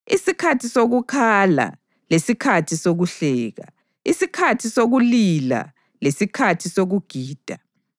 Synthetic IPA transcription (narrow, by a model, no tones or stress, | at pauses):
isikʰatʰisoɣukʰala̰ | lesikʰatʰisoɣuɬɛːɣa | isikʰatʰisoɣulila̰ | lesikʰatʰisoɣuɡ̥ʱiːd̥ʱa